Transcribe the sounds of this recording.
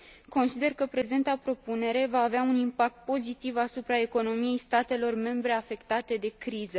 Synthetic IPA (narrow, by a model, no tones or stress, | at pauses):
ko̞nsid̪e̞rkəpɾe̞ze̞nt̪apɾo̞pune̞ɾe̞vaːveaunimpak̚t̪̚po̞zit̪ivasupɾae̞ko̞no̞mije̞jst̪at̪e̞lo̞rme̞mbɾe̞afe̞kt̪at̪e̞d̪e̞kɾizə